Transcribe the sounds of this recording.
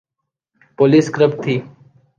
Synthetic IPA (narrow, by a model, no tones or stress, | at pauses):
poːliːskɾəbt̪ʰiː